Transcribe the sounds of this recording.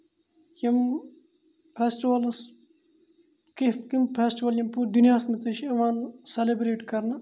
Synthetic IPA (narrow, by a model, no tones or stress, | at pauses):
jɐm | pʰeːsʈiʋɐls | kefkimpʰeːsʈiʋɐljɐmpuɾd̪unjaːsmit̪ɐʃiɐʋaːnselebɾeːʈkɐɾnɐ